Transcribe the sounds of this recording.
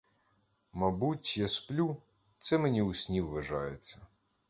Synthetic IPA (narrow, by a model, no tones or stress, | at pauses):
mɐbutʲjɐsplʲu | t̪sɛmenʲiusʲnʲiwʋːɐʒɑjet͡sʲːɐ